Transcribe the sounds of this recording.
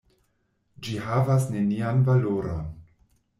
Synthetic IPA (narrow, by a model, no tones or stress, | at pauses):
d͡ʒihavasne̞nianvaloɾo̰n